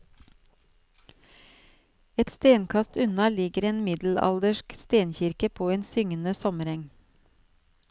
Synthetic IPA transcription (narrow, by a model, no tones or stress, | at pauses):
ɛt̪st̪eːnkʰɑst̪ʉnɑlɪɡəɾeːnmɪd̪l̩ɑ̰ld̪əʃkst̪eːnçɪɾkəpʰoːeːnsʏŋənəsɔməɾɛŋ